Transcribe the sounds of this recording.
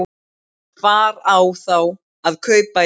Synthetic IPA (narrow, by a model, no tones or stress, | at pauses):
faːɾawθaw | aðkʰœːpa